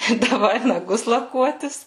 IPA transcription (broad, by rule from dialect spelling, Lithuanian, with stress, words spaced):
ɪ dɐˈʋɐɪ nɐˈɡʊs lˠɐˈkuɔtʲɪs